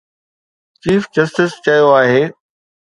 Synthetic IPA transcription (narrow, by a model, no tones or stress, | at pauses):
t͡ɕiːfd͡ʑɐsʈɪst͡ɕɐjoaːɦeː